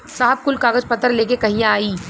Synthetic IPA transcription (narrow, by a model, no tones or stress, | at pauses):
saːɦəb̚kʊlkaːɡəd͡ʒpɐt̪ːəɾleːkekɐɦĩjãaːiː